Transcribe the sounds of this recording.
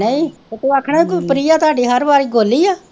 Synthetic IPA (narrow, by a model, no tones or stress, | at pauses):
neĩːet̪uːaːkʰːɽeːkopəɾiːaːt̪ʊaːɖiːɦəɾbaːɾiːɡoːliːaː